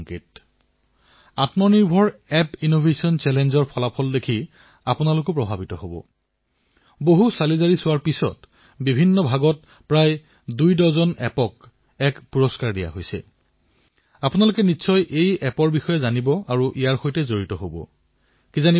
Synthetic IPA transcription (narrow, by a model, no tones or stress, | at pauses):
ŋkit̚ | atmɔniɹbʱɔɹɛpinobʱesiɔnt͡ʃɛlɛnzɔɹpʰɔlapʰɔldekʰi | apʊnalʊkɔpɹɔbʱabitɔɦobɔ̰ | boɦusalizaɹisʊwaɹpisɔ̰t | bibʱinːɔbʱaɡɔt̚ | pɹaj | dujdɔzɔnɛ̰pɔk | ɛkpuɹɔskaɹdija̰ɦojsɛ̰ | apʊnalʊkɛnisɔjʔejɛpɔɹbixɔjɛzanibɔʔaɹuʔijaɹxojtɛzoɹitɔɦobɔ̰ | kizani